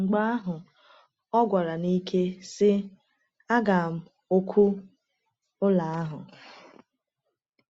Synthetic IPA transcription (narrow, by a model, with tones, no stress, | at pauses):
ŋ͡m̩˨ɡ͡ba˦a˦ɦʊ˨ | ɔ˦ɡʷa˨ɾa˨ni˦kʰe˦sɪ˦ | a˦ɡa˨m̩˦˨ | o˦kʷʰu˦ | ʊ˦la˨a˦ɦʊ˨